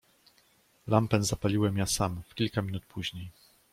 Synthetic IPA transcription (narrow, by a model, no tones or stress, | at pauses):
lampɛnzapalʲiwɛmjasamfkʲilkamʲinut̪pʰuʑɲej